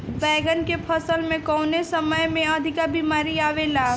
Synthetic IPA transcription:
bɛːɡənkepʰəsəlmẽkɔːnesəməjmẽəd̪ʱɪkabiːmaːɾiaːʋelaː

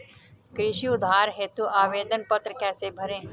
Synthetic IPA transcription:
kɾɪʃiʊd̪ʱːaːɾɦeːt̪uʔaːʋeːd̪ənpɐt̪ɾəkɛːsebʱɐɾẽː

